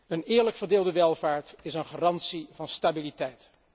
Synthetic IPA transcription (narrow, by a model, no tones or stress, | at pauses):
ənɪːɹləkfərdɪːlˠdəʋɛlˠvaːɹtɪsənχaːrɑntsivɑnstabilitɛjt